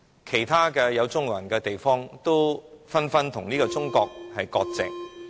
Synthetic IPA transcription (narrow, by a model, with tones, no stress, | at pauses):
kʰe˨˩jt̪ʰaː˥kɛː˧jɐ˨˧wt͡sʊ˥ŋwɐ̰˨˩nkɛː˧t̪e˨jfɔː˥ŋt̪o˥wfɐ˥nfɐ˥nt̪ʰʊ˨˩ŋniː˥kɔː˧t͡sʊ˥ŋkɔː˧k̚hɐ˨jkɔː˧k̚t͡sɪ̰˨k̚